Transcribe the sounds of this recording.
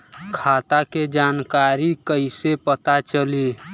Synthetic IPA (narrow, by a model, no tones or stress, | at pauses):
kʰat̪aked͡ʒankaɾikəɪsepət̪at͡ʃəli